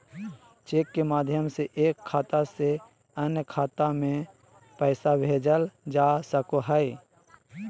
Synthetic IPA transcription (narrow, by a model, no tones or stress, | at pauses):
t͡ʃeːkːemaːd̪ʱjəmseʔeːkʰːaːt̪ase | ənjəkʰaːt̪amẽ | pəɪsabʱeːd͡ʒəld͡ʒaːsəkoɦəi